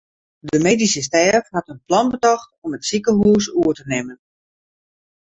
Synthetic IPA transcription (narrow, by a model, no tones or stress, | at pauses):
dəmeːdisəstɛrfhatənplɔnbətɔxtɔmətsikəɦuːsuətənɪmən